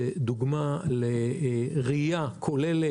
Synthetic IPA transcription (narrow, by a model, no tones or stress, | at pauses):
ed̪uɡmaleʁijakʰolele